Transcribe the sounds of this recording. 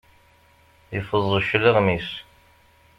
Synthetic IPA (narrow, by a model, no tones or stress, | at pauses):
jəfəzˤːəʃləʁmis